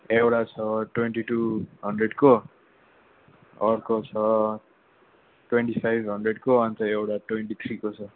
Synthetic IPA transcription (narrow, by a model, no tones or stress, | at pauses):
ewʈat͡sʰʌʈweɳʈiʈuɦʌɳɖreɖko | ʌrkot͡sʰʌ | ʈweɳʈipajbʱɦʌndreɽkoʌnt̪ʌewʈaʈweɳʈit̪ʰrikot͡sʰʌ